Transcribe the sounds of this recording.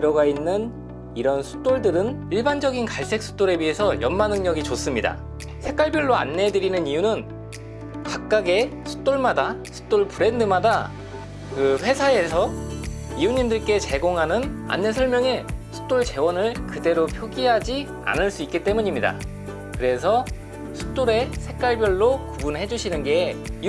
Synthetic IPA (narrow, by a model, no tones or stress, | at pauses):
ɾʌɡainːɯn | iɾʌnsʰu̥d͈oɭdɯɾɯniɭband͡ʑʌɡinkaɭs͈e̞k̚s͈ʰu̥d͈oɾe̞bɥiɦe̞sʰʌjʌnmanɯŋɲʌɡit͡ɕos͈ɯmɲida̰ | sʰe̞k͈aɭbjʌɭːoa̰nːe̞dɯɾinɯnijunɯn | kak̚k͈aɡe̞sʰu̥d͈oɭmadasʰu̥d͈oɭpuɾe̞ndɯmada | kɯɸwe̞sʰae̞sʰʌ | ijuɲimdɯɭk͈e̞t͡ɕe̞ɡoŋɦanɯna̰nːe̞sʰʌɭmjʌŋe̞sʰu̥d̥͈oɭt͡ɕe̞wʌnɯɭkɯde̞ɾopʰjoɡiɦad͡ʑi | a̰nɯɭs͈uik͈it͈e̞muɲimɲida̰ | kɯɾe̞sʰʌ | sʰu̥d͈oɾe̞sʰe̞k͈aɭbjʌɭːokubunhe̞d͡ʑuɕʰinɯnɡe̞i